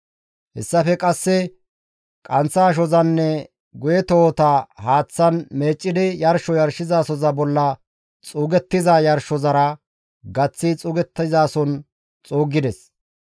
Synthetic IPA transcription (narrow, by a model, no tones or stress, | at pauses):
hɛsːɐfɛkʼɐsːɛ | kʼɐnt͡sːaːʃ̬ɔzɐnːɛ | ɡʊjɛt̪oːt̪ahaːt͡sːɐnme̞ːt͡ʃʼːɪd̪ɪjɐɾʃɔjɐɾʃɪzaːsɔzɐbɔlːɐ | t͡sʼuɡɛt̪ːɪzajɐɾʃɔzɐɾɐ | ɡɐt͡sːɪt͡sʼʊɡɛt̪ːɐzaːsɔn | t͡sʼoːɡɪd̪ɛs